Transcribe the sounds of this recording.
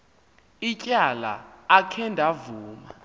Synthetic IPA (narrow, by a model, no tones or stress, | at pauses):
icʼala̰ːkʰɛndʱavuːma̰